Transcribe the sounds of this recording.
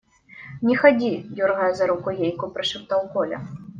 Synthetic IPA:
nʲɛxad͡zʲijʲɔrɣajzɐɾukʊjejkupɾɨʃɨpt̪awkɔlʲɐ̰

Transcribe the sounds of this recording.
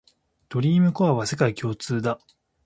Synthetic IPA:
d̪̥o̞ɾʲiːmɯ̟koβaβase̞kaikʲo̞ːt͡sɨːd̪a

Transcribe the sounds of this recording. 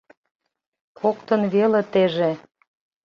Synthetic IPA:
kʰokt̪ə̆nβelet̪eʒe

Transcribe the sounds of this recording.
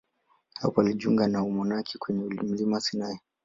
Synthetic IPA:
hapɔaliʄṵŋɡanaumɔnakʰi̥kwɛɲɛum̩limasinaɛ

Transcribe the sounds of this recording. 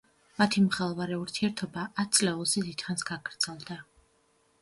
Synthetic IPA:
mat̪ʰimχɛlˠvaɾɛuɾt̪ʰiɛɾt̪ʰɔbaʔːt̪̚ʰt̪sʼlɛulˠzɛd̪it̪χansɡ̥aɡɾd̪z̥ɛlˠd̪a

